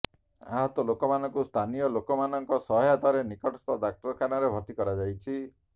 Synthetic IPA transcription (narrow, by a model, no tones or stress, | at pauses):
a̰ɦɔt̪ɔlokɔmanɔŋkust̪ʰanijɔlokɔmanɔŋkɔsɔɦɔjat̪aɾenikɔʈɔst̪ɔd̪ak̚ʈɔɾɔkʰanaɾebʱɔɾt̪ikɔɾad͡ʒajt͡ʃʰi